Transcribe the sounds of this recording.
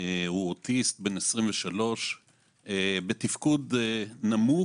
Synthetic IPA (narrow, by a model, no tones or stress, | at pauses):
ehuot̪ist̪̚be̞nesʁimveʃalo̞ʃ | ebet̪ifkudenamu